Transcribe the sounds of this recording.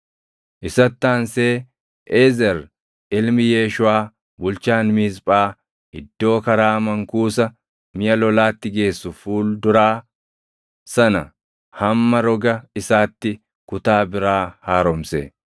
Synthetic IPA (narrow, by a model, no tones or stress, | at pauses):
ʔɪsɐt̪ːaːnseː | ʔeːzɛɾ | ʔɪlmɪje̞ːʃʊaː | bʊlt͡ʃaːnmiːspʼaː | ɪd̪ːo̞ːkɐɾaːmɐŋkuːsɐ | mɪjɐlɔlaːt̪ːɪɡe̞ːsːʊfuːld̪ʊɾaː | sɐnɐ | hɐmːɐɾɔɡɐɪsaːt̪ːɪ | kʊt̪aːbɪɾaːhaːɾɔmsɛ